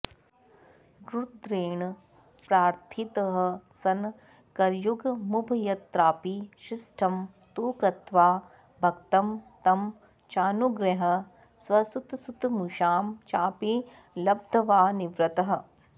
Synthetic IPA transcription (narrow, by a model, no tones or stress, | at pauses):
ɡɾud̪ɾeːɳ | pɾaːɾt̪ʰit̪ɐɦ̆sɐn | kɐɾjuɡmubʱjɐt̪ɾaːpiʃisʈʰɐm | t̪uːkɾɐt̪ʋaː | bʱɐkt̪ɐmt̪ɐm | t͡ʃaːnuɡɾɐɦɐ̆ | swɐsut̪sut̪muʃaːmt͡ʃaːpi | lɐb̚d̪ʱɐʋaːniʋɾɐt̪ɐɦɐ̆